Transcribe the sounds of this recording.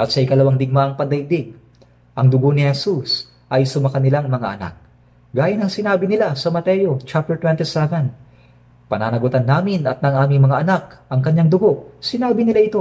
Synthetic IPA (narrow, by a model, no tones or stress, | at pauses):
ʔɐt̪̚sɐʔɪkɐlɐwaŋd̪ɪɡ̚maʔɐŋpɐnd̪ɐid̪ɪɡ̚ | ʔɐŋd̪ʊɡo̞nɪhɛsus | ʔɐjsʊmɐkɐnɪlaŋmɐŋa̰ʔɐna̰k̚ | ɡaːjɐnɐŋsɪnaːbɪnɪlasɐmɐt̪ɛjo̞t͡ʃap̚t̪ɛɹt̪wɛnt̪isɛvɛnd̪̚ | pɐnaːnɐɡʊt̪ɐnːaːmɪnɐt̪̚nɐŋʔaːmɪŋmɐŋaʔɐnak̚ʔɐŋkɐɲːaŋd̪ʊɡo̞ʔsɪnaːbɪnɪlaʔɪt̪o̞